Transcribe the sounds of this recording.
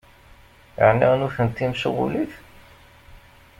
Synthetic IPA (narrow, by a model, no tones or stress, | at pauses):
jə̰ʕniʁnuθənt̪ːimsuʁṵliθ